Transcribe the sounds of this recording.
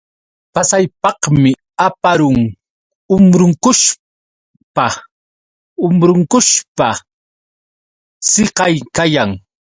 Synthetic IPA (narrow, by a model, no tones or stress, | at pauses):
pasajpɑqmɪ | apaɾʊŋ | ʊmɾʊŋkʊʃ | pa | ʊmɾʊŋkʊʃpa | seqɑjkajaŋ